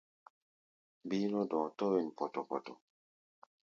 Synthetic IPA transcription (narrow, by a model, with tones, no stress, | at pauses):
bi˦nɔ˦dɔ̃˨tɔ˦wɛ˨n˨pɔ˨tɔ˨pɔ˨tɔ˨